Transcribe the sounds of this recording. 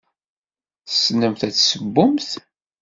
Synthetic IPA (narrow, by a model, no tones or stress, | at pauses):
θəsnəmθæt͡sːsəbːʊmθ